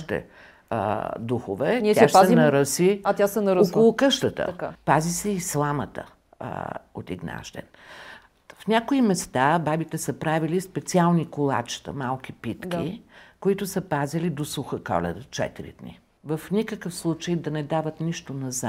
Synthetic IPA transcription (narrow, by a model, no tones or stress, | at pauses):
t̪ɛ̰ | d̪uxovɛnʲɛʃtaɛnɐɾəsiat̪jasɛnɐɾokollˠokɤʃt̪ət̪ə̰kapazisɛislˠamət̪ə̰ | ot̪ḭɡna̰ʃd̪ɛ̰n | fnʲakoimɛst̪ababit̪ɛsəpɾavilispɛt̪sialˠnikolˠa̰t͡ʃt̪ə̰malˠk̟ipit̪kʲikoit̪ʊsəpazilid̪osuxəkɔ̰lɛ̰d̪t͡ʃɛ̰t̪iɾḭd̪nḭ | vəfnʲikəkəfslˠut͡ʃəjd̪ɐnɛd̪avət̪niʃt̪onɐza